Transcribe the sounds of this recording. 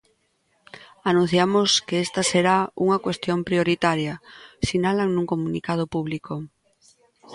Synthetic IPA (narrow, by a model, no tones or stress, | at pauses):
anũn̟θjamoskeest̪ɐseɾauŋakwest̪jompɾioɾit̪aɾjɐsinalaŋnũŋkomunikað̞opuβliko